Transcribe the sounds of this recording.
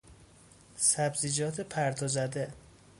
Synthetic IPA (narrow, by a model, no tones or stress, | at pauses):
sæbzid͡ʒɒːt̪ʰepʰæɾt̪ʰɒzæd̪e